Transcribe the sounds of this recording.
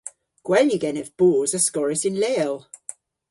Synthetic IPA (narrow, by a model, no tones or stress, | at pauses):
ɡ̥wɛljəɡɛnəvb̥ɔːzəskɔɹəsɪ̃nlɛəlˠ